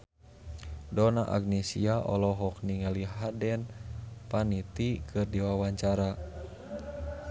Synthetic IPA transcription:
dɔnaʔa̰ɡnɛsiaʔɔlɔɦɔkniŋaliɦadɛnpanit̪ikʰɨrdiwawaɲt͡ʃaɾa

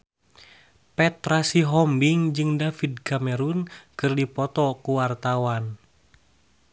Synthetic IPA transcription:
pɛt̪rasiɦɔmbiŋd͡ʒɨŋdafid̚kamɛɾunkɨrdipɔt̪ɔkuwart̪awan

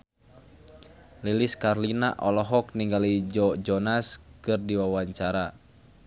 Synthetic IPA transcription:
liliskarlinaʔɔlɔɦɔk̚niŋɡalid͡ʒɔd͡ʒɔnaskɨrdiwawaɲt͡ʃaɾa

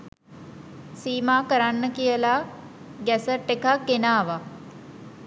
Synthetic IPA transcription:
siːmaːkəɾanːəkijəla | ɡɛsəʈːekakːenaːʋa

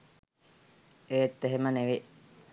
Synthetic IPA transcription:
eːt̪ːeɦeməneʋe

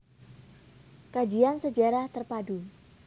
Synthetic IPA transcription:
kad͡ʒiansəd͡ʒaɾaht̪ərpadu

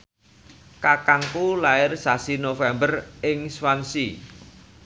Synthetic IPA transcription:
kakaŋkulaɪrsasinofɛmbərɪŋswansi

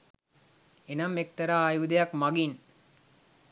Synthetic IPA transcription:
enamek̚t̪ɐɾaːjud̪ɐjakmaɡin

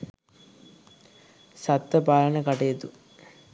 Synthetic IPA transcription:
sat̪ːʋəpaːlənəkaʈejət̪u

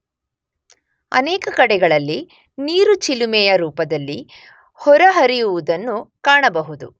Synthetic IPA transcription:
ɐ̰nɛːkɐkɐɽɛɡɐɭɐlːi | niːɾut͡ʃilimɛjɐɾuːpɐd̪ɐlːi | hɔɾɐɦɐɾijuʋud̪ɐnːukaːɳɐbɐɦud̪u

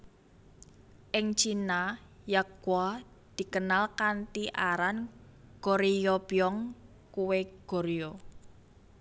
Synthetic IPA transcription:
ʔɪŋt͡ʃina | jaɡwa | d̪̥i̤kənalkant̪iʔaɾanɡ̥oɾijɔb̥jɔŋ | kuweɡ̥ɔ̤ɾijɔ

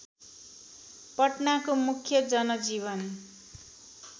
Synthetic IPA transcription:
pʌʈnakomukʰjʌd͡zʌnʌd͡zibʌn

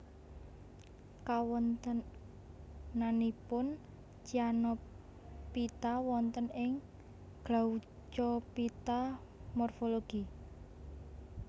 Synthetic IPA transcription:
kawɔnt̪ə | nanipʊn | t͡ʃianɔ | pit̪awɔnt̪ənɪŋ | ɡ̥au | t͡ʃɔpit̪amɔrfoloɡ̥i

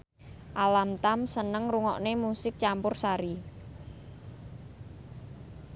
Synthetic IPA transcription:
ʔalamt̪amsənəŋruŋɔ̰ʔnemusɪk̚t͡ʃampʊrsaɾi

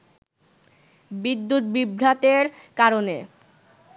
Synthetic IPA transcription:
bid̪ːut̪bibʱɾat̪eɾ | kaɾone

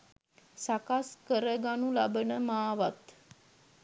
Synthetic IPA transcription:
sakaskəɾəɡanulabənəmaːʋat̪

